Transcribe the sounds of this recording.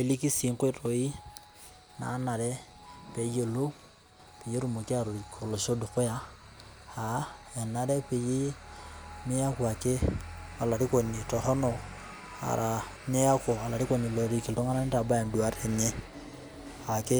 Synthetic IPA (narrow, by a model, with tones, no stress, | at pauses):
e˨li˦ki˦si˨ŋkwe˦to˨i˦ | na̰˨˦na˨ɾɛ˦ | pe˨je˨lo˦ | pe˨je˦ɾu˨mu˨ki˦a˦˨ɾo˨kʰo˨lo˨ʃo˦du˨kʊ˦ja˨ | a˨˦ | e˨na˦ɾɛ˦pe˨ji˦ | mɪ˦ja˦ku˦˨a˨ke˦a˨la˨ɾi˦ko˨ni˨tɔ˨ɦɔ˦nɔ˨ | a̰˨ɾʔa˨ | ɲe˦a˦ko˨a˨la˨ɾi˦ko˨ni˨lo˨ɾi˦ki˨lto˦ŋa˦na˦nɪ˦ta˨ba˦e˨ndu˨a˦ɾe˨ɲe˦ | a˨ke˦